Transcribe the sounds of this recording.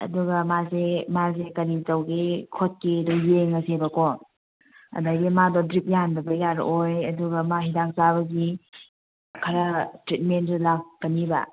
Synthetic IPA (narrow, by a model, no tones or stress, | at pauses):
ɐ̰duɡɐmazemazekɐɾizɐwɡikʰot̚kidɔjeŋɐsʰebɐkɔ | ɐ̰dajɡimadɔdɾip̚jandɐbɐjaɾ̰ojɐduɡɐmaɦidak̚zabɐɡi | kʰɐɾɐtɾit̚menzulakːɐnibɐ̰